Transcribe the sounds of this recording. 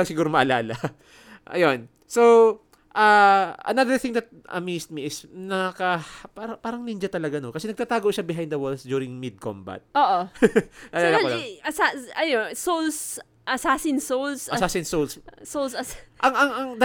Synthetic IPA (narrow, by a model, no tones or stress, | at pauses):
ɐŋsɪɡuːɾomɐʔɐlaːlɐ | ʔɐ̰jon | so | ʔaʔɐ̰naðəɹθɪ̃ŋd̪ɐt̪̚ʔɐ̰mist̪̚miɪsnɐakɐpaːɾɐpaːɾɐŋnind͡ʒɐt̪ɐlɐɡanokɐsɛnɐɡ̚t̪at̪aːɡoʔʃabɪɦajnd̪ɐwolsd̪juːɾɪŋmɪd̪̚kõ̰mbɐ̰t̪̚ʔoːʔomɐʔɐaːlakolaɐsaɐjonsols | ʔɐsaːsɪnsowlsɐsaːsɪnsolssolsɐʔɐŋɐŋɐŋd̪